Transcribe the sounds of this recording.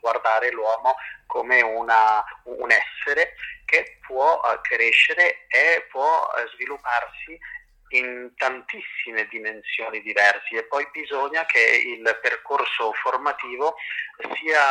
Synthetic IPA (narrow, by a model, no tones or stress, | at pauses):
ɡward̪aːɾelwɔːmokomeuna̰ːnɛsːeɾekepʰwɔkɾeʃːeɾeepːwɔ̰zvilupːarsi | int̪ant̪isːimed̪imensjoːnid̪ivɛrsiepːɔjbizoɲak̟ʰeḭlperkorsoformat̪iːvosiːa